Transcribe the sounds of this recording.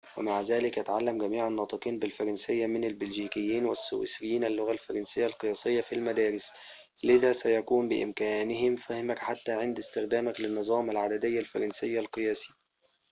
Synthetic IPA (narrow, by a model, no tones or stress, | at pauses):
wɪmaʕzæːlɪkʔat̪ʕalːamɡæmiːʕanːɑːt̪ˤɨqiːnbɪlfɑɾˤɑnsɪjːamɪnalbɪlʒiːkɪjːiːnwɪsːṵwɪ̰sɪjːiːnalːʊɣalfɑɾˤɑnsɪjːalqɨjɑːsɪjːafilmad̪æːɾɪs | lɪðæːsæjakuːmbɪʔɪ̰mkæːnɪhɪmfæhɪmækħat̪ːaːʕɪnd̪ɪst̪ɪxd̪æːmaklɪnːɨzˤɑːmalʕad̪æd̪ɪjːalfɑɾˤɑnsɪjːalqɨjæːsi̥